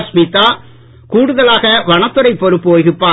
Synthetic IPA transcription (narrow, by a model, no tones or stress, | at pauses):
smit̪ːaː | kuːɽɯðɐlaːɣɐʋɐɳɐt̪ːɯɾɐɪpːɔɾɯpːoːjɣɯpːaː